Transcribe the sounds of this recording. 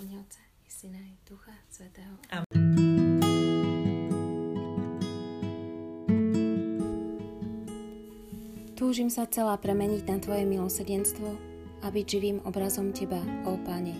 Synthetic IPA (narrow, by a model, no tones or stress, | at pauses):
ɲɛʊt͡sɛ | ɛsinad̪̥uxasʋɛt̪ɛːɦɔaː | t̪uːʒimsat͡sɛlaːpɾɛmɛɲiɟnat̪ʋɔjɛmilɔsr̩ɟɛnst̪ʋɔ | abiɟʒiʋiːmɔbɾazɔmcɛbaɔpaɲɛ